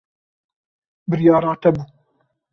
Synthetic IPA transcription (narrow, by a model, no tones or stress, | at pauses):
bɨɾjɑːɾɑːt̪ɐbuː